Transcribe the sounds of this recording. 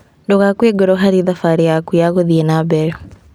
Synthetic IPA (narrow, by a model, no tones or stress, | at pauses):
ndoɣakweɡoɾɔɦaɾiðafaɾijakujaɣoðienabɛɾɔ